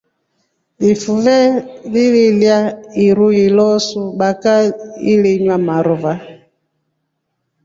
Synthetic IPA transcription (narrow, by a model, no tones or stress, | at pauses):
lifuvɛlililjaiɾuilɔsuɓakailiɲwamaɾɔva